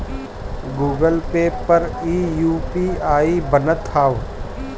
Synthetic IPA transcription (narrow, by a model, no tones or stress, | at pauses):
ɡuːɡəlpeːppːəɾiːjuːpiːaːibənət̪ʰaːʋ